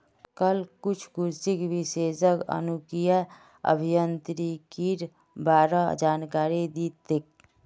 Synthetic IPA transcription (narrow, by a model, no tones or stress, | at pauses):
kəlkʊt͡ʃʰkʊɾsikbiseːsəkə̰nukija | ə̰bʱijənt̪ɾikiɾ | baːɾad͡ʒaːnkaːɾid̪it̪ek̚